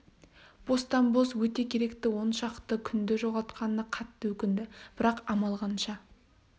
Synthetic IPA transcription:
b̥o̞st̪ɑmbozwɵt̪e̞kʲʰe̞ɾe̞kt̪ɪwo̞nʃɑqt̪əkʲʰʏnd̪ɪʒo̞ʁɑt̪qʰɑnəqʰɑt̪ːəwɵkʲɪnd̪ɪb̥ɪɾɑqɑmɑlˠʁɑnʃɑ

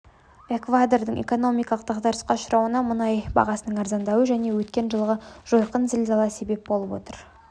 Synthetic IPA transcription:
e̞kvad̪ord̪əŋʔe̞̰ko̞no̞mijkɑlˠəqd̪ɑqd̪ɑɾəsqɑʃʊɾɑwənɑmənɑjbɑ̰ʁɑsənəɴɑɾzɑnd̪ɑwəʒæne̞wɵt̪̚kʲe̞nʒəlˠʁəʒ̥o̞jqənzɪlzɑlˠɑse̞be̞p̚bo̞lˠəpwo̞̰t̪əɾ

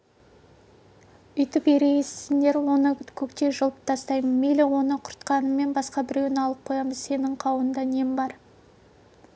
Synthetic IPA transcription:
ʏjt̪ɪpe̞ɾe̞esɪnd̪e̞ɾwo̞nəkʲʰɵkt̪e̞ʒəlˠəp̚t̪ʰɑst̪ɑjmənmelɪwo̞nəqʰʊɾt̪qɑnəmːe̞nbɑsqɑbɪɾe̞wɪnɑlˠəp̚qʰo̞jɑməzse̞nɪŋqʰɑwənd̪ɑnembɑɾ

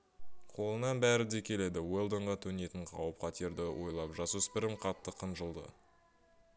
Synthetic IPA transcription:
qʰo̞lˠənɑnbæɾɪd̪e̞kʲʰe̞le̞d̪ɪwe̞lˠd̪oɴʁɑt̪ʰɵne̞t̪ɪɴqʰɑ̰wəp̚qʰɑt̪ʰeɾd̪ɪwo̞jlˠɑpʒɑsuspɪɾɪmqʰɑt̪ːəqʰəmʒəlˠd̪ə̰

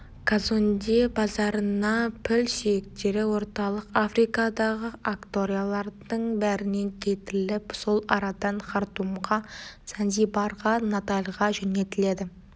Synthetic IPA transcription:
kʰazond̪ebɑzɑɾənɑpʰɪlsijɪk̚t̪e̞ɾɪwo̞ɾt̪ɑlˠəqafɾijkɑd̪ɑʁəʔakt̪o̞ɾijalˠɑɾd̪əɴbæɾɪne̞ŋkʲʰe̞t̪ɪlɪpso̞lˠɑɾɑd̪ɑnχɑɾt̪umʁɑsanzijbɑɾʁɑnat̪alʲʁɑʒɵne̞t̪ɪle̞d̪ɪ

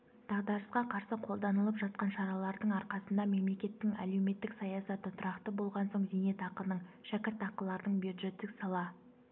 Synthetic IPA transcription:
d̪̥ɑʁd̪ɑɾəsqɑqʰɑɾsəqʰo̞lˠd̪ɑnəlˠəpʒɑt̪̚qɑnʃɑɾɑlˠɑɾd̪əɴɑɾqɑsənd̪ɑme̞mle̞kʲe̞t̪ːɪŋæ̰le̞wme̞t̪ːɪksɑjɑsɑt̪ət̪ʰʊɾɑqt̪əbo̞lˠʁɑnsoɴzene̞t̪ɑqəlnəɴʃækʲɪɾt̪ɑqəlˠːɑɾd̪əɴbjud̪ʒe̞t̪ːɪksɑlˠɑ

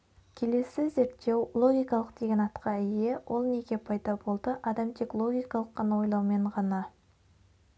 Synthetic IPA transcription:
kʲʰe̞le̞sɪze̞ɾt̪ːe̞wlˠo̞ɡʲijkɑlˠəqd̪̥e̞ɡʲe̞nɑt̪qəɪje̞wʔo̞lˠne̞ɡʲe̞pʰɑjd̪ɑbo̞lˠd̪əʔɑd̪ɑmt̪ʰe̞klˠo̞ɡʲijkɑlˠəqːɑnɑwo̞jlˠɑwme̞ɴʁɑnɑ

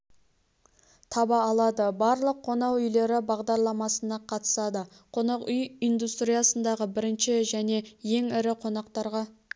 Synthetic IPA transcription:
t̪ʰɑbɑːlˠɑd̪əbɑɾlˠəqʰːo̞nɑwʏjle̞ɾɪbɑʁd̪ɑɾlˠɑmɑsənɑqʰɑt̪ə̥sɑd̪ə | qʰo̞nɑqʏjijnd̪ust̪ɾijɑsənd̪ɑʁəbɪɾɪnʃɪʒæne̞je̞ŋɪɾɪqʰo̞nɑqt̪ɑɾʁɑ

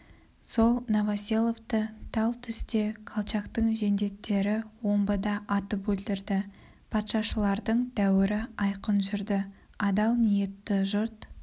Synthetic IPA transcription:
so̞lˠnovasʲelˠo̞ft̪ət̪ʰɑlˠt̪ʰʏst̪e̞kʰalˠt͡ʃɑkt̪əɴʒe̞nd̪e̞t̪ːe̞ɾɪwo̞mbəd̪ɑʔːt̪əpwɵld̪ɪɾd̪ɪ | pʰɑt̪ʃɑʃəlˠɑɾd̪əɴd̪ʰæwɪɾɪɑjqənʒʏɾd̪ɪ | ɑd̪ɑlˠnije̞t̪ːɪʒʊɾt̪

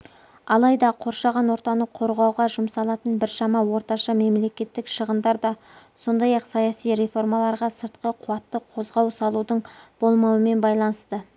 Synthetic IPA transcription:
ɑlˠɑjd̪ɑqʰo̞ɾʃɑʁɑnwo̞ɾt̪ɑnəqʰo̞ɾʁɑwʁɑʒʊmsɑlˠɑt̪ənbɪɾʃɑmɑwo̞ɾt̪ɑʃɑme̞mle̞kʲe̞t̪ːɪkʃəʁənd̪ɑɾd̪ɑ | so̞nd̪ɑjɑqsɑjɑsijɾe̞fo̞ɾmɑlˠɑɾʁɑsəɾt̪qəqʰʊwɑt̪ːəqʰo̞zʁɑwsɑlˠud̪əɴb̥o̞lˠmɑwəme̞nbɑjlˠɑnəst̪ə

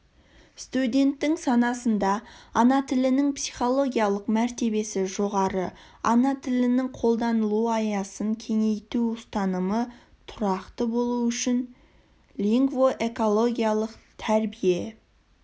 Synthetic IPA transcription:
st̪ud̪e̞nt̪ːɪŋsɑnɑsənd̪ɑɑnɑt̪ʰɪlɪnɪŋpsijχo̞lˠo̞ɡʲijalˠəqmæɾt̪e̞βe̞sɪʒo̞ʁɑɾə | ɑnɑt̪ʰɪlɪnɪŋqʰo̞lˠd̪ɑnəlˠuɑjɑsəŋkʲʰe̞ŋe̞jt̪uʊst̪ɑnəmə | t̪ʰʊɾɑqt̪əbo̞lˠuʏʃɪn | lʲiŋɡvo̞ʔe̞ko̞lˠo̞ɡʲijalˠəqt̪ʰæɾbije̞

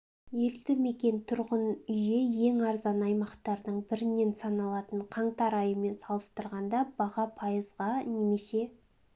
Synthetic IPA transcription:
je̞lt̪ɪme̞kʲe̞nt̪ʰʊɾʁənʏjeje̞ŋɑɾzɑnɑjmɑqt̪ɑɾd̪əɴbɪɾɪnːe̞nsɑnɑlˠɑt̪əɴqʰɑɴt̪ɑɾɑjəme̞nsɑlˠəst̪əɾʁɑnd̪ɑbɑʁɑpʰɑjəzʁɑne̞me̞se̞

